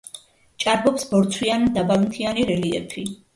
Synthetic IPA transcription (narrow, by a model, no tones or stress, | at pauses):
t͡ʃʼaɾbɔpsbɔɾt̪sʰwiand̪abalint̪ʰianiɾɛliɛ̰pʰi